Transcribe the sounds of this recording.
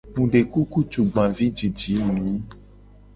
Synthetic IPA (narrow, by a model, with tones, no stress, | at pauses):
mũ˨ɖe˨ku˦ku˦t͡ʃu˨ɡ͡bã˨vi˦d͡ʒi˨d͡ʒi˨˦˨mĩ˨˦